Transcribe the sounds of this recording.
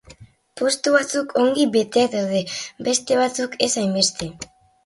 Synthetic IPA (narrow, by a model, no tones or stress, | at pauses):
po̞st̪uβat͡sukʰo̞ŋɡibe̞t̪eat̪awðebe̞st̪e̞β̞at͡suke̞sajmbe̞st̪e̞